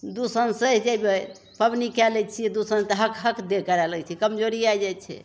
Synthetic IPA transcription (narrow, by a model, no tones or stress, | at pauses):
d̪usənsəɦd͡ʒɛbe | pəbnikɛlɛt͡ʃʰiɛd̪usənt̪əɦəkʰɦəkʰd̪ekəɾɛlət͡ʃʰɛkəmd͡ʒoɾiajd͡ʒɛjt͡ʃʰɛ̰